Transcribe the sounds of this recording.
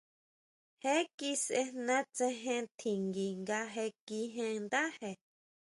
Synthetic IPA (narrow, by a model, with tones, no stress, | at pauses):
he˦ki˦sʔe˧nã˦t͡sẽ˧ɦẽ˧t̪ʰi˨ŋɡi˨ŋɡa˧ɦe˧ki˧ɦẽ˧nd̪a˦he˧˨